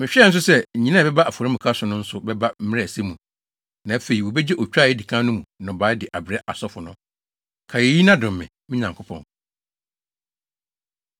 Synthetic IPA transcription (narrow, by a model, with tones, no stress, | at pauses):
mɪ̃˨ɕᶣɛ˦n̩˦s̬ʊ˦sɛ˦ɲ̩˨ɲĩ˦nã˦˨bɛ˦ba˦ʔa˨fɔ˨ɾa˦mũ˨kʰa˦sʊ̃˨nʊ̃˦n̩˦sʊ˨bɛ˦ba˦m̩˦mɪ̃˦ɾse˦mũ˨ | nã˨æ˦fe˨i˨wo˨bɛ˦d͡ʑɪ˦ʔɔ˨t͡ɕᶣaː˦˨jɛ˦di˨kʰã˦nʊ̃˦mũ˨˦nã˨baː˨˦dɪ˨ʔa˨bɪ˨ɾɛ˦ʔa̰˨sɔ˦fʊ˨nʊ̃˦ | kʰa˨je˨˦ji˦nã˦dʊ̃˨m˨mɪ̃˨mɪ̃˦ɲã˨ŋkʰʊ˦pʰɔ̰̃˨n